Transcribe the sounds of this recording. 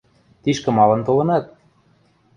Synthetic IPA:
t̪iʃkɘ̆mɑlɤ̆nt̪olɤ̆nɑt̪̚

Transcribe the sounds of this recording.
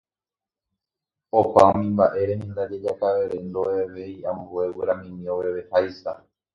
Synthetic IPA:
opaõmĩmbaʔe̞ɾenĩnd̪ad͡ʒed͡ʒakaʋeɾend̪oeʋeiambueweɾamĩmĩoʋeβehajsa

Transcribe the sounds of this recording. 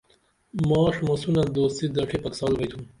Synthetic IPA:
mɑːʂmosunad̪oːst̪id̪ɐʈʰipɐksɑːlbɐjt̪ʰum

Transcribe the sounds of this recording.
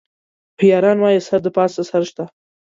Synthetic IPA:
xjɑːɾɑːnwɑjesaɾd̪əpɑːsəsaɾʃt̪a

